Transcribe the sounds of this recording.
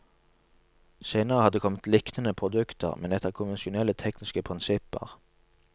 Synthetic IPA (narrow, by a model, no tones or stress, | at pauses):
seɪnəʁəhɑd̪eːkʰɔmət̪lɪkt̪ənəpʰʁʊd̪ʉkt̪ʰə̰ʁmɛnɛt̪ːəʁkʰʊnʋɛnsɪʊnɛlət̪ʰɛknɪskəpʰʁɪnsɪpə̰ʁ